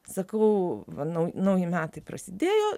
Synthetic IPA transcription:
sɐkɐʊʋɐnɐʊjnɐʊjɪmʲæːt̪ɐɪpɾɐ̰sʲɪd̪ʲeːjoː

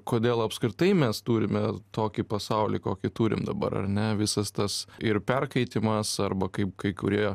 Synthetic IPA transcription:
koːd̪ʲeːlˠɐpskɾʲɪt̪ɐɪmʲɛst̪uːɾʲɪmʲɛt̪oːkʲipɐsɐʊlʲḭkoːkʲɪt̪uːɾʲɪ̰md̪ɐ̰bɐ̰ɾɐ̰ɾʲnʲɛʋʲɪsɐst̪ɐsɪrpʲɛrkɐɪt̪ʲɪmɐsɐrbɐkɐɪp̚kɐɪkʊɾʲiɛ

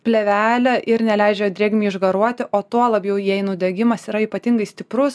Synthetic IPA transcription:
pʲlʲɛʋʲæːlʲɛʔɪɾnʲɛlʲæɪd͡ʒʲɛd̪ɾʲeːɡʲmʲiːɪʒɡɐɾuɔt̪ʲɪʔoːt̪uɔlˠɐbʲjɛʊjɛɪnʊd̪ʲɛɡʲɪmɐsiːɾɐiːpɐt̪ʲɪŋɡɐɪsʲt̪ʲɪpɾʊs

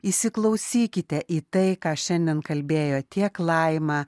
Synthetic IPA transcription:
isʲɪklˠɐʊsʲiːkʲɪt̪ʲɛʔiːt̪ɐɪkɑːʃʲɛnʲd̪ʲɛnkɐlʲbʲeːjoːt̪ʲiɛklˠɐɪmɑː

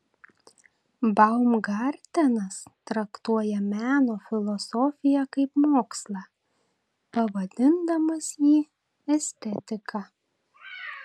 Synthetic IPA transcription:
bɐʊmɡɑɾʲt̪ʲɛnɐst̪ɾɐkt̪uɔjɛmʲæːnoːfʲɪlˠɔsɔfʲɪjɛkɐɪpmoːkslˠɑː | pɐʋɐd̪ʲɪnd̪ɐmɐsjiː | ɛsʲt̪ʲɛt̪ʲɪkɑ

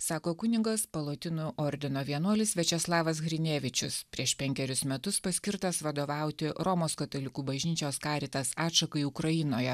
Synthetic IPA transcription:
sɑːkoːkʊnʲɪɡɐspɐlˠoːt̪ʲɪnuʔɔɾʲd̪ʲɪnoːʋʲiɛnuɔlʲɪsʋʲɛt͡ʃʲɛslˠɑːʋɐsɣɾʲɪnʲeːʋʲɪt͡ʃʲʊspʲɾʲiɛʃpʲɛŋʲkʲɛɾʲʊsmʲɛt̪ʊspɐsʲkʲɪɾt̪ɐsʋɐd̪oːʋɑˑʊt̪ʲɪɾɔmoːskɐt̪olʲɪkuːbɐʒʲnʲiːt͡ʃʲoːskɑːɾʲiːt̪ɐsɑːtʃɐkɐiʊkɾɐjɪnoːjɛ

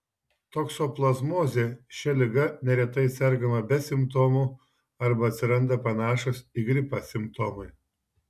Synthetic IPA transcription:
t̪oːksoːplˠɐzmoːzʲeːʃʲɛlʲɪɡɐnʲɛɾʲɛt̪ɐɪsʲɛɾɡɐmɐbʲɛsʲɪmpt̪oːmʊ | ɐɾbɐɐt̪ʲsʲɪɾɐnd̪ɐpɐnɑːʃoːsiɡɾʲɪpɐsʲɪmpt̪oːmʊɪ

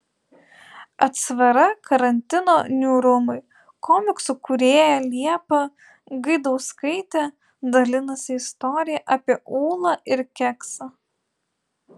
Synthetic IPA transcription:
ɐt̪sʋɐɾɐkɐɾɐnʲt̪ʲɪnoːnʲuːɾʊmɐɪ | kɔmʲɪksʊkʊɾʲeːjɛlʲiɛpɐ | ɡɐɪd̪ɒʊskɐɪt̪ʲɛ | d̪ɐlʲɪnɐsʲɪɪst̪ɔɾʲɪjɛʔɐːpʲiɛʔuːlˠɐɪɾkʲɛksɐ

